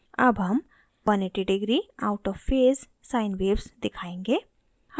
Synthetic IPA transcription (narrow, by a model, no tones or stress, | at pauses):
ɐbɦɐm | ʋɐneʈiɖɪɡɾiaʊʈɔːffeːz | saːɪnʋeːbsd̪ɪkʰaːẽːŋɡe | h